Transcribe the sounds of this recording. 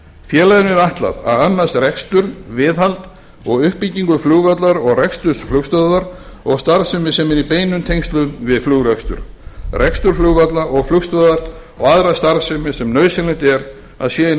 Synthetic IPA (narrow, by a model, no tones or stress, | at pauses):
fjɛːlajðɪnʏɾaht̪la̰ða̰ðanːast̪rɛkst̪ʏɾvɪðɦalt̪ | ɔɣʏhpːiciŋkʏfluːɣvat̪laɾɔɣrɛkst̪ʏsflʏkst̪œðaɾ | ɔɣst̪aɾsʏmɪsɛmɛɾipeːjnʏmt̪ʰejŋst̪lʏmvɪðfluːɣɾɛkst̪ʏ̰ɾrʔɛkst̪ʏɾfluɣvat̪laɔɣflʏkst̪œðaɾ | ɔɣaðɾast̪aɾsʏmɪsɛmnœːɥsɪlɪnt̪ɛɾ | a̰ðsjɛːɪ